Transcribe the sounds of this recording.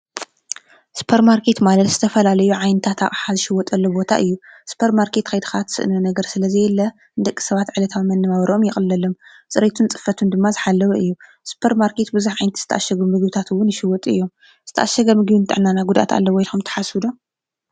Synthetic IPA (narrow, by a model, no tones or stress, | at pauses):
sɨ̥pʰɐɾmaɾkʰet̪malɐt̪z̥ɨt̪ʰɐfɐlalɐjuʕajnɨt̪ʰat̪ʰaχʼħazɨʃɪwɔt̪ʼɐlːobo̞t̪ʰaʔɨjːusɨ̥pʰɐɾmaɾkʰet̪kʰɐjd̪ɨxat̪ʰɨ̥sɨ̰ʔnunɐɡɐɾsɨlɐzɨjɛlːɐ | nd̪ɐkʼːi̥sɐβat̪ʕɨlɐt̪ʰawmɐnːɨmawɾʔomjɪxʼɨlːɐlom | sʼɨɾet̪ʰunt͡sʼɨ̥fɐt̪ʰund̪ɨmːazɨħalːɐwɐʔɨjːu | sɨ̥pʰɐɾmaɾkʰet̪bɨzuħʕajnt̪i̥zɨ̥t̪ʰɐ̰ʔaʃːɐɡumɨɡjut̪ʰat̪ʰɨwːʊnːɪʃɪwɔt̪ʼɨ̰jːo̞m | zɨ̥t̪ʰɐ̰ʔaʃːɐɡɐmɨɡijunt̪ʰɨʕɨnːanaɡud̪ʔa̰t̪ʰa̰lːɐwɔjlxumt̪ʰɐ̥ħasɨd̪o